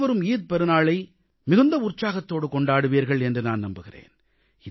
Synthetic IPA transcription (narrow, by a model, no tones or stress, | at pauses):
ʋɐɾɯmiːð̚pɛɾɯnaːɭɐɪ | mɪɣɯnd̪ɐʊrt͡ʃːaːɣɐt̪ːoːɽɯkɔɳɖaːɽɯʋiːɾɣɐɭɛndrɯnaːnnɐmbɯɣɪrḛːn | ɪ